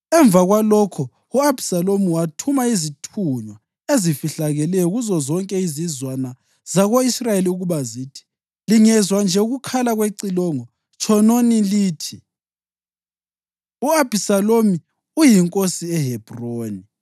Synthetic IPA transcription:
ɛɱb̪vaɣwalɔkʰɔ | uab̥ʱisalomiwatʰumaizitʰuɲwa | ezifiɬaɣɛlɛjɔɣuzɔzɔŋkʼɛizizwana | z̥aɣoisrajeliuɣuβazitʰi̥ | liŋɛzwand͡ʒʱɛuɣukʰalaɣweǀilɔŋɔ | t͡ʃʰʼɔnoniliːtʰi | uab̥ʱisalomi | ujiŋkʼosiɛɦɛb̥roːni

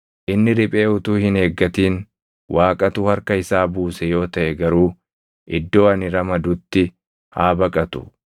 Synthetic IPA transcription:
ʔɪnːɪɾɪpʼe̞ːʊt̪uːhɪne̞ːɡːɐt̪iːn | wʔaːkʼɐt̪ʊhɐɾkɐɪsaːbuːsɛjo̞ːt̪ɐʔɛɡɐɾuː | ʔɪd̪ːo̞ːɐnɪɾɐmɐd̪ʊt̪ːɪ | haːbɐkʼɐt̪ʊ̥̰

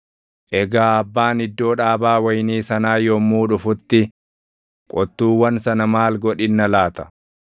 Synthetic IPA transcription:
ʔɛɡaːɐbːaːnɪd̪ːo̞ːᶑaːbaːwɐjniːsɐnaːjɔmuːᶑʊfʊt̪ːɪ | kʼɔt̪ːuːwːɐnsɐnɐmaːlɡɔᶑɪnːɐlaːt̪ɐ̥

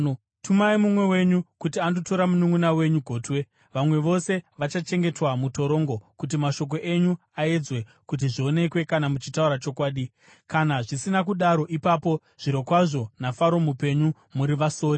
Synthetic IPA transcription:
tumaimumwe̞we̞ɲukutiandoto̞ɾamunuŋɡunawe̞ɲuɡʱo̞ːtwe̞ | ʋamwe̞ʋo̞se̞ʋat͡ʃat͡ʃe̞ŋɡe̞twamuto̞ɾo̞ːŋɡo̞kut̬imaʃo̞k̬o̞ʔe̞ɲu | ae̞d͡zwe̞ | kut̬iʐio̞ne̞kwe̞kanamut͡ʃitauɾat͡ʃo̞kwaːɗi | kanaʐisinak̬uɗaɾo̞ʔipapo̞ | ʐ̥iɾo̞kwaʐo̞nafaɾo̞mupe̞ɲu | muɾiʋaso̞ːɾi

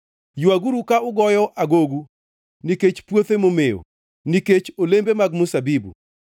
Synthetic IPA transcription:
juaɡuɾukaʊɡɔjɔʔaɡoɡu | niket͡ʃpwot̪emomeo̰ | niket͡ʃolembemaɡmʊsabibṵ

